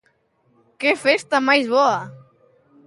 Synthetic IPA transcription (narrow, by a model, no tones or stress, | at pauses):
kefest̪amajzβɔa